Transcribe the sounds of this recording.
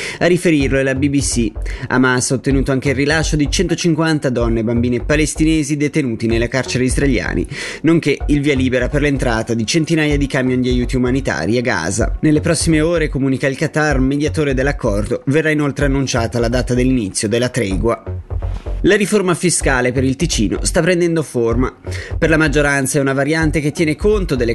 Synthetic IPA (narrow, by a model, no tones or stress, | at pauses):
arifeɾirloelabibisia̰masot̪ːenuːt̪oaŋk̟eilrilasːod̪it͡ʃɛnt̪ot͡ʃiŋkwant̪ad̪ɔnːebambiːnepalest̪ineːzid̪et̪enuːt̪inelːakart͡ʃeɾeizrelja̰ːnʔḭnoŋk̟eilviːaliːbeɾaperlent̪ɾaːt̪ad̪it͡ʃent̪inaːjad̪ikamjond̪iajuːt̪iumanit̪a̰ːɾiaɡːa̰ːza̰nelːepɾɔsːimeoːɾekomuːnikailkat̪armed̪jat̪oːɾed̪elːakʰːɔrd̪overːainolt̪ɾeanːunt͡ʃaːt̪alad̪aːt̪ad̪elːinit̪sːjod̪elːat̪ɾɛːɡwa | laɾiformafiskaːlepeɾilt̪it͡ʃiːno̰st̪apːɾend̪ɛnd̪oformaperlamad͡ʒːoɾant̪saɛunavaɾjant̪ek̟et̪ːjɛːnekont̪od̪elːe